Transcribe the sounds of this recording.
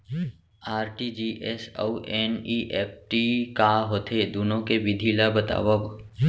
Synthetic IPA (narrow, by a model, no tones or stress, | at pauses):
aːɾʈid͡ʒiːʔɛso̰uʔɛːniʔeːp̚ʰʈikaːɦoːt̪ʰed̪uːnõkeʋɪd̪ʱilabət̪a̰ːʋəb